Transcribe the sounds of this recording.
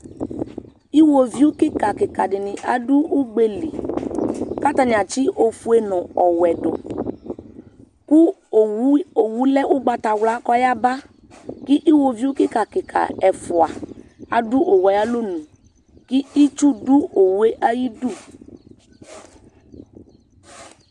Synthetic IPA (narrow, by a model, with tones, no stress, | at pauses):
i˦wo˨vi˦u˦kɪ˦ka˨kɪ˨ka˨dɪ˨nɪ̃˨ʔa˨du˦u˦ɡ͡be˦li˨ | ka˦t̪a˨ɲ˨a˨t͡ʃi˦ʔo˨fu˦e˦nɔ̃˨ɔ˨wɛ˨ɖɔ˨ | ku˦˨˦ | o˨wu˦lɛ˦ʔu˦ɡ͡ba˨t̪a˨wla˦kɔ˦ja˦ba˦ | ki˦ʔi˦wo˨vi˦u˦kɪ˦ka˨kɪ˨kʰa̰˨ɛ˨fʊ˨a̰˨a̰˨du˦ʔo˨wa˨ja˦lo˦nũ˨ | ki˦i˦t͡ʃu˦du˦o˨wu˦e˦ʔa˦ji˦du˦˨